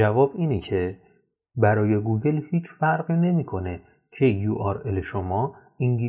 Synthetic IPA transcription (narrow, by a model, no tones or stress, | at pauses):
ævɒːbiːnecʰe̞ | bæɾɒːje̞ɡuːɟe̞lhiːt͡ʃʰfæɾɢiːne̞miːkʰo̞ne̞ | cʰejjuʔɒɾeleʃomɒː | iŋɡi